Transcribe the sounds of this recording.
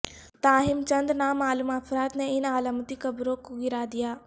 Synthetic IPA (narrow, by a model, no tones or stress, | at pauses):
t̪aːɦɪmt͡ɕɐ̃nd̪naːmaːlumaːfɾaːt̪nɛ̃ɪnaːlamət̪ikɐbɾokuɡiɾaːd̪ijaː